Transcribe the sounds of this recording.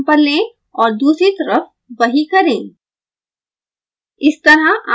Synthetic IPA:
pɐɾlẽː | ɔːɾd̪uːsɾit̪ɐɾəf | ʋɐɦikɐɾẽ | ɪst̪ɐɾəʔa

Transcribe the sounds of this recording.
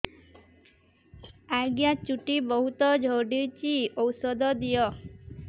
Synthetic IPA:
aɡjat͡ʃuʈibɔɦut̪ɔd͡ʒʱoɖit͡ʃiɔwsɔd̪ʱɔd̪ijɔ

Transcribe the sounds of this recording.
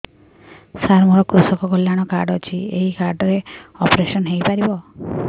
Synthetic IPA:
saɾmɔɾɔkɾusɔkɔkolːjaɽ̃ɔkaɾɖɔt͡ʃʰieɦikaɾɖɔɾeɔpɾesɔnɦejpaɾibɔ

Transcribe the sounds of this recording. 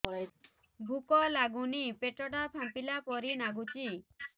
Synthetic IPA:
bʱukɔlaɡunipeʈɔʈapʰampilapɔɾinaɡut͡ʃi

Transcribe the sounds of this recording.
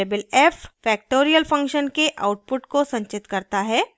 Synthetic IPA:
eːbəlɛffɛːk̚ʈoːɾijəlfɐ̃ŋkʃənkeʔa̰ːʊʈ̚pʊʈkosɐ̃ɲt͡ʃɪt̪kɐɾt̪aɦɛː

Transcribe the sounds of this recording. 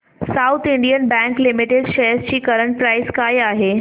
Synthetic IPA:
saʊt̪ʰiɳɖijənbɛ̃ŋklɪmiʈeɖʃeɦəst͡ɕiːkɐɾəɳʈ̚pɾaːɪskaːjaːɦe

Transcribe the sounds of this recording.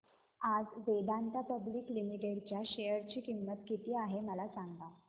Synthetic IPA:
ad͡zʋed̪ãnt̪apəbliːklimiʈeɽt͡ɕjaɕejəɾt͡ɕiːkimːət̪kit̪iːaɦeməlasaŋɡɡa

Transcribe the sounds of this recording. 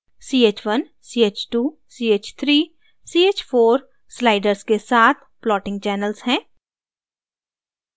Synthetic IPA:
siːeːt͡ʃʋɐn | siːeːt͡ʃʈuː | siːeːt͡ʃt̪ʰɾiː | siːeːt͡ʃfoːɾ | slaːɪɖəɾzkesaːt̪ʰplɔːʈɪ̃ŋɡ̚t͡ʃɛːnəlzhɛ̃ː

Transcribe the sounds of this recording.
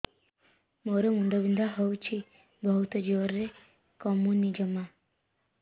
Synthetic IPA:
moɾɔmund̪ɔbind̪ʱaɦɔwt͡ʃʰi | bɔɦut̪ɔd͡ʒiʋɔɾːe | kɔmunid͡ʒɔma

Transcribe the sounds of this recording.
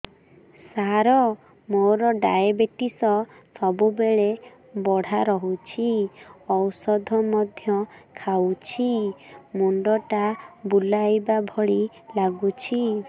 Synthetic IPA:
saɾɔ | moɾɔɖajebeʈisɔ | sɔbubeɭe | bɔɽ̤aɾɔɦut͡ʃʰiɔwsɔd̪ʱɔmɔd̪ʱjɔkʰawt͡ʃʰimuɳɖɔʈabulajbabʱɔɭi | laɡut͡ʃʰi

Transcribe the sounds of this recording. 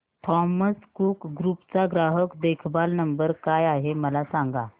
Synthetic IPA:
ʈʰɔməskukɡɾupt͡saɡɾaɦəkd̪ekʰbalnəmbəɾkajaɦeməlasaŋɡa

